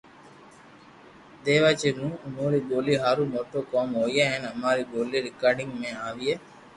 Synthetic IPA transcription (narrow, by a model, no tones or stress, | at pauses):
d̪eːʋat͡ʃenũːmuːɾiɡoːliɦaɾumoʈːoːkoːmɦojeɦenɐmaːɾiɡoːliɾikaːɖiŋmeːaːʋije